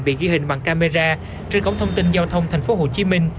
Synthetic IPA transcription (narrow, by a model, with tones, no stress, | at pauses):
ɓḭ˧˨ɣi˧hï˧˩ŋ̟ɓa̰˧˨ŋkaː˧me˧zaː˧ | t͡ɕə˧nkə̰˧˥wŋ͡mt̪ʰə˧wŋ͡mt̪i˧nzaː˧wt̪ʰə˧wŋ͡mt̪ʰa˨˩ŋ̟fo˨˦ɦo˧˨˩t͡ɕi˨˦mï˧ŋ̟